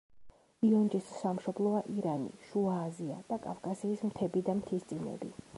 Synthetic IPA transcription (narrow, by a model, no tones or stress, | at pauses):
iɔnd͡ʒʼisːamʃɔblˠɔaʔiɾanḭʃuaːzia̰d̪̥akʼafkʼasiːsmt̪ʰɛbid̪amt̪ʰist̪sʼinɛ̰bi